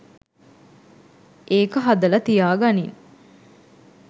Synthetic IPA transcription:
ʔeːkəɦad̪ɐlɐt̪ijaːɡanin

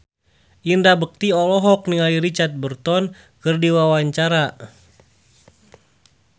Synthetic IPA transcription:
ʔindabək̚t̪iɔlɔɦɔk̚niŋaliɾit͡ʃat̪̚bərt̪ɔn | kərdiwawaɲt͡ʃaɾa

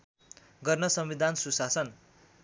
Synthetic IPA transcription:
ɡʌrnʌsʌmwid̪ʱansusasʌn

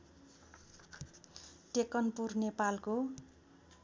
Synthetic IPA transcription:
ʈekʌnpurnepalko

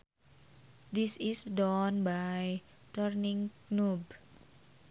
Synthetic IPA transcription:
d̪isisdɔnbaj | t̪ərnĩŋknub

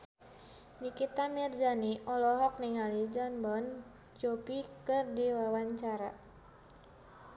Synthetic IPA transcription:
nikit̪amird͡ʒaniɔlɔɦɔk̚niŋalid͡ʒɔnbɔn | t͡ʃopikɨrdiwawaɲt͡ʃaɾa

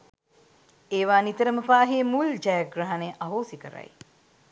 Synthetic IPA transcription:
eːʋaːnit̪əɾəməpaːɦemuld͡ʒajaɡraɦaneʔaɦoːsikəɾa̰j

